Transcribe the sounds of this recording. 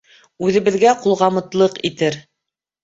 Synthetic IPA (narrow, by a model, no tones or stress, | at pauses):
ʉðɘ̆βɘ̆ðɡæqulˠʁɑmɤ̆t̪lˠɤqit̪ɘɾ